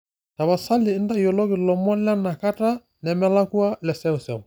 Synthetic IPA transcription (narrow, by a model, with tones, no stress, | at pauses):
ta˨βa˨sa˦lɪ˨ɪ˦nda˦jɔ˨lɔ˦ɣɪ˨lɔ˨mɔ˦lɛ˦na˨ka˦ta˦ | nɛ˨mɛ˦la˦ku˦a˦lɛ˨sɛ˦ʊ˨sɛ˨